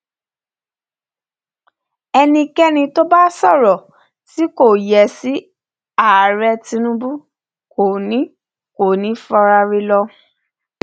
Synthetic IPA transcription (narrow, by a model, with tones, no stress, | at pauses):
ɛ˧nĩ˧kɛ˦nĩ˧to˦ba˦sɔ˦˨ɾɔ˨ | ti˨˦ko˦˨jɛ˨˦si˨˦ | a˦˨ɾɛ˧ti˧nũ˦bu˦ | ko˨nĩ˦ | ko˨nĩ˨˦fɔ˧ɾa˧ɾi˧lɔ˧